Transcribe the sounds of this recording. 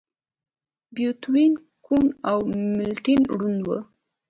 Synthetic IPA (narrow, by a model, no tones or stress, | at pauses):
bjut̪win | kunawmɪlʈinɽunwə̰